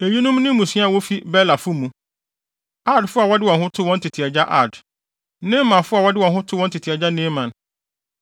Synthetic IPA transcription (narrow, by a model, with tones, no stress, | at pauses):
e˨ɥi˦nʊ̃˦mnɪ̃˦mũ˨si˦a˨wo˦fi˦bɛ˦la˨fʊ˦mũ˨˦ | a˦˨dfʊ˦a˨wɔ˦dɪ˦wɔ̃˨nhʊ̃˦tʰʊ˦wɔ̃˦n˦tʰɪ˨tʰi˨ɛ˨d͡ʑa˦ʔa˦˨d | nɪ̃˦mã˨fʊ˦a˨wɔ˦dɪ˦wɔ̃˨nɦʊ̃˦tʰʊ˦wɔ̃˦ntʰɪ˨tʰi˨ɛ˨d͡ʑa˦nɪ̃˦mã˨n